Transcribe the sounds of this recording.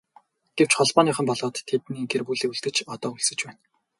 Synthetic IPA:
ɡ̥ew̥t͡ɕχɔɮpɔːniːχə̆mpɔɮɔːt̪ʰːet̪niːɡerpuɮeːuɮt̪ɘ̆t͡ɕɔt̪ɔːuɮsɘ̆t͡ɕpæːn

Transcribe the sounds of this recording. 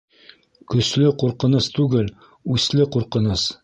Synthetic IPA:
kɵ̆slɘquɾqɤ̆nɤst̪ʉɡɘl | ʉslɘquɾqɤ̆nɤs

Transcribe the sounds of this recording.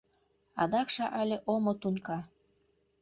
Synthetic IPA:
ɑ̰d̪ɑkʃɑʔɑlʲeʔomot̪unʲkɑ

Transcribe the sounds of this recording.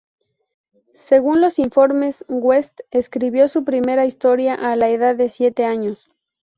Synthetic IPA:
se̞ɣ̞unlo̞siɱfo̞ɾme̞sɡwe̞st̪eskɾiβjo̞supɾime̞ɾaist̪o̞ɾjaʔalaeðaððe̞sje̞t̪e̞aɲo̞s

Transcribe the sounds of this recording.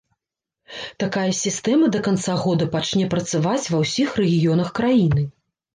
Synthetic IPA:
t̪akajɐsʲist̪ɛmɐd̪ɐkant̪saɣɔd̪ɐpat͡ʂnʲɛpɾɐt̪savat͡sʲvɐwsʲixrɛɣʲijɔn̪ɐxkɾajinɨ

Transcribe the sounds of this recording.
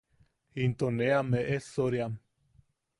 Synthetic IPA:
int̪oneameʔesoɾjam

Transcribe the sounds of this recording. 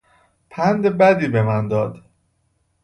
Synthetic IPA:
pʰænd̪ebæd̪iːbe̞mænd̪ɒːd̪

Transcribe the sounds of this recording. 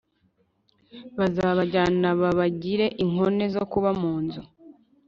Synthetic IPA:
βazaːβaɟaːnaβaβaɟiɾe̞ʔiŋo̞ne̞zo̞kuβamuːnzo

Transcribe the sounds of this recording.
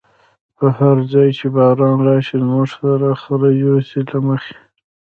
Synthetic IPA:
pəhaɾzɑjt͡ʃebɑɾɑːnɾɑʃilmʊʐsaɾaxaɾajosilaməxe̥

